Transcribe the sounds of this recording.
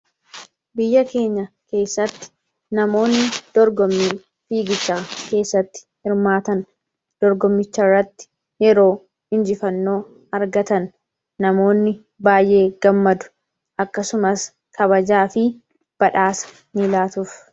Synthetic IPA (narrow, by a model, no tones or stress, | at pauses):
bɪjːɐke̞ːɲːɐ | ke̞ːsːɐt̪ːɪ̥ | nɐmo̞ːnːɪd̪̥ɔɾɡɔmːiːn | fiːɡɪt͡ʃːaːke̞ːsːɐt̪ːɪ̥hɪɾmaːt̪ɐn | d̪̥ɔɾɡɔmːɪt͡ʃːɐrːɐt̪ːɪ̥ | jɛɾo̞ː | hɪnd͡ʒɪfɐnːo̞ː | ɐɾɡɐt̪ɐnː | ɐmo̞ːnːɪ | baːjʔe̞ːɡ̥ɐmːɐd̪ʊ̥ | ʔɐkːɐsʊmɐs | kʰɐβɐd͡ʒaːfɪ | b̥ɐᶑaːsɐ̥ | nɪlaːt̪ʊf